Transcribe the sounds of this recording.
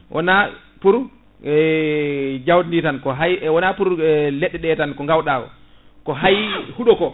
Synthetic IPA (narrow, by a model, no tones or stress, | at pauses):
wʔɔ̰na | puɾ | ɛ | d͡ʒawdinitankɔɦajwɔnapuɾlɛɗːɛɗɛtankɔŋɡawɗaːkɔ̰ | kɔɦajhuɗɔkɔ